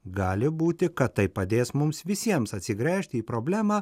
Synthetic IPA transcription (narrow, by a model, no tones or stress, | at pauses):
ɡɑːlʲɪbuːt̪ʲɪkɐt̪tɐɪpːɐd̪ʲeːsmʊmsʋʲɪsʲiɛmsɐt̪ʲsʲɪɡɾʲæːʃʲt̪ʲɪiːpɾoːbʲlʲæːmɑː